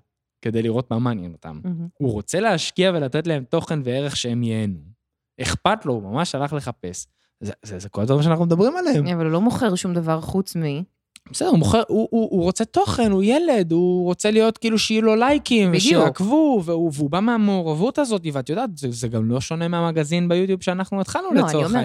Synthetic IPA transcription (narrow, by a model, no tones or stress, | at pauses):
ke̞d̪ejliʁo̞t̚mamaːnjḛno̞t̪a̰muʁo̞t͡se̞le̞aʃkiave̞lat̪etleemt̪o̞χe̞nveeʁeχʃeemjenu | eχpat̪lo̞umamaʃalaχle̞χape̞s | zezezeko̞lad̪vaʁimʃeanaχnumed̪abʁimalehemavalulomoχeʁʃumd̪avaʁχut͡smi | besedeumoχeʁuʔuʔːʁo̞t͡se̞t̪o̞χe̞nujele̞d̪uʁo̞t͡selijo̞t̪kiːluʃjulo̞lajkimveʃejakvuveuveubameame̞oʁavutazo̞t̬iveat̪jodaːt̪zezeɡamlo̞ʃo̞ne̞meamaɡazinbejut̪jubʃeanaχnuit̪χalnuleat͡sooee